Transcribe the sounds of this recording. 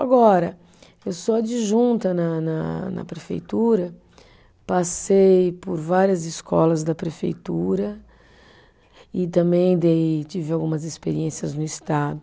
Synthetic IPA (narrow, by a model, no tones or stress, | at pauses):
aɡɔɾɐ | ewsɔd͡ʒɪʒũnt̪ɐnɐnɐnɐ̰pɾefḛjt̪uɾɐ | pasejpʊɾvaɾiɐzɪskʰɔlɐzd̪ɐpɾefḛjt̪uɾɐ | ɪt̪ɐ̃mbẽj̃d̪ejt͡ʃivɪawɡũmɐzespeɾiẽsiɐznʊɪst̪ad̪ʊ